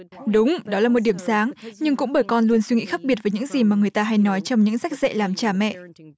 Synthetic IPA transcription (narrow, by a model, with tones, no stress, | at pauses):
ɗʊ˨˦wŋ͡mɗɔ˨˦laː˨˩mo˨˩t̚ɗi˧˩əmsaː˨˦ŋɲɨ˧ŋkʊ̰˧˥ŋ͡mɓəː˧˩jkɔ˧nlu˧ənswi˧ŋḭ˧˥xaː˦˥k̚ɓi˨˩ət̚vəː˨˦ɲɨ̰˧˥ŋzi˨˩maː˨˩ŋɨ˨˩əjt̪aː˧ɦa˧jnɔ˨˦jt͡ɕɔ˧wŋ͡mɲɨ̰˧˥ŋsa˦˥k̚z̥ɛ̰˧˨laː˨˩mt͡ɕaː˧˩mɛ̰˧˨